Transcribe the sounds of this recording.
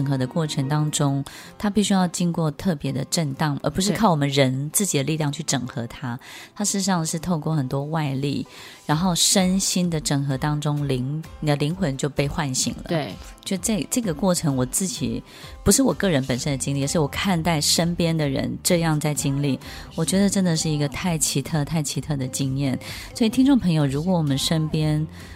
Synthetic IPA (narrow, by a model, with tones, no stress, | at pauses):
ə˩ŋxɤ˧˥d̪ə˧kwɔ˥˩ʈ͡ʂʰə˧˥ŋt̪ɑ˥ŋʈ͡ʂʊ˥ŋt̪ʰa˥pi˥˩ɕy˥jɑ˥˩ʊt͡ɕi˥ŋkwɔ˥˧t̪ʰɤ˥˩pjɛ˧˥d̪ə˨ʈ͡ʂə˥˧nt̪ɑ˥˩ŋʔə̰˞˧˥pu˧˥ʂ̬ɻ̩˥kʰɑ˥˩ʊwɔ˨˩mə˦nɻə˧˥nt͡sɹ̩˥˩t͡ɕi˨d̪ə˦li˥˧ljɑ˥˧ŋt͡ɕʰy˥˩ʈ͡ʂɤ˨˩ŋxɤ˧˥t̪ʰa˥t̪ʰa˥ʂɻ̩˥˩ɻ̩˧ʂɑ˥˧ŋʂɻ̩˥˧t̪ʰo˥˧ʊkwɔ˥˩xə˨˩nt̪wɔ˥wa˥˧ɪlḭ˥˩ | ɻa˧˥nxo˥˩ʊʂə˥nɕi˥nd̪ə˨ʈ͡ʂə˥˩ŋxɤ˧˥t̪ɑ˥ŋʈ͡ʂʊ˥ŋli˧˥ŋ˨ə˩li˧˥ŋxwə˧˥nt͡ɕjo˥˧ʊpe˥˧ɪxwa˥˩nɕḭ˧˥ŋlə̰˧˦˩t͡ɕjo˥˧ʊʂt͡sa˥˩ʈ͡ʂɤ˥˩ɡə˩kwɔ˥˩ʈ͡ʂʰɤ˧˥ŋwɔ˨˩t͡sɹ̩˥˩t͡ɕḭ˨˩˦ | pu˧˥ʂɻ̩˥˩wɔ˨˩kɤ˥˩ɻə˧˥npə˨˩nʂə˦˥nd̪ə˨t͡ɕi˥ŋli˥˩˨ʂɻ̩˥˩wɔ˨˩kʰa˥˧nt̪a˥˩ɪʂə˥npjɛ˥nd̪ə˨ɻə̰˧˥nʈ͡ʂɤ˥˧jɑ˥˧ŋt͡sa˥˩ɪt͡ɕi˥ŋli˥˩ | wɔ˨˩t͡ɕɥɛ˧˥d̪ə˨ʈ͡ʂə˥nd̪ə˨ʂɻ̩˥˩i˧˥ɡə˧t̪ʰa˥˩ɪt͡ɕʰi˧˥t̪ʰɤ˥˧t̪ʰa˥˩ɪt͡ɕʰi˧˥t̪ʰɤ˥˩d̪ə˩t͡ɕi˥ŋjɛ˥˩n | swɔ˧˥i˨˩t̪ʰi˥nʈ͡ʂo˥˩ŋpʰɤ˧˥ŋjo˨˧ʊɻu˧˥kwɔ˧˥wɔ˨˩mə˦nʂə˥npjɛ˥n